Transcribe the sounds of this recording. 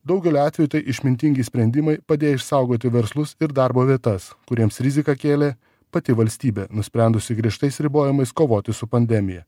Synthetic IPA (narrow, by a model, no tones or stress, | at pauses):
d̪ɐʊɡʲɛlʲoːɑːt̪ʲʋʲɛjut̪ɐɪʔɪʃʲmʲɪnʲt̪ʲɪŋʲɡʲiːsʲpʲɾʲɛnʲd̪ʲɪmɐɪpɐd̪ʲeːjɪʃsɑˑʊɡoːt̪ʲɪʋʲɛɾslˠʊsɪɾd̪ɑˑɾboːʋʲiɛt̪ɐskʊɾʲiɛmsɾʲɪzʲɪkɑkʲeːlʲeː | pɐt̪ʲɪʋɐlʲsʲt̪ʲiːbʲeːnʊsʲpʲɾʲɛˑnd̪ʊsʲɪɡɾʲiɛʃt̪ɐɪsɾʲɪboːjɪmɐɪskoːʋoːt̪ʲɪsʊpɐnʲd̪ʲɛmʲɪjɛ